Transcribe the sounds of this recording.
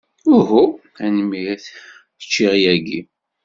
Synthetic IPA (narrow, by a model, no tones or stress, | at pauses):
ʊɦu | ænmiθ | ə̥t͡ʃːiʁjæɡi